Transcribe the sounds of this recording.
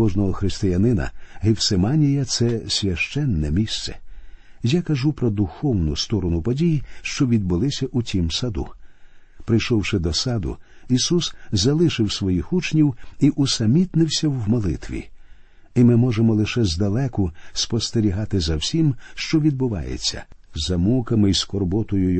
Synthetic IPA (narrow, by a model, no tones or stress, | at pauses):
kɔʒnɔɦɔxɾɪst̪ɪjɐnɪnɐ̰ɦɪwsemanʲijɐt̪sɛsʲʋʲɐʃt͡ʃɛnːɛmʲist̪sɛ̥̰ | jakɐʒupɾɔd̪ʊxɔwnʊst̪ɔɾɔnʊpɔdʲijiʃt͡ʃɔʋʲid̪̚bʊlˠɪsʲɐʔʊtʲimsɐd̪ṵ | pɾɪjʃɔwʃɪd̪ɔsɑd̪ʊ̰ | isuszɐlˠɪʃɪwsʋɔjixut͡ʃnʲiwiʔʊsɐmʲit̪nɪwsʲɐwːmɔlˠɪ̰t̪ʋʲḭ | imɪmɔʒemɔlˠɪʃɛzd̪ɐlˠɛkʊspɔst̪eɾʲiɦɑt̪ɪzɐwsʲimʃt͡ʃɔʋʲid̪̚bʊʋɑ̰jḛt͡sʲːɐ̰zɐmukɐmɪiskɔrbɔt̪ʊjʊj